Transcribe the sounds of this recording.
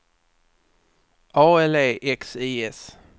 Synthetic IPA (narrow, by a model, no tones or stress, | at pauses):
ɑːɛleːʔɛksiːɛs